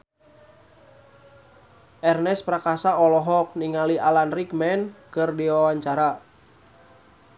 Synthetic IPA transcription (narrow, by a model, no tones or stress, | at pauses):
ʔɛrnɛspɾakasaɔlɔɦɔk̚niŋaliʔalanrikmɛnkɨrdiwawaɲt͡ʃaɾa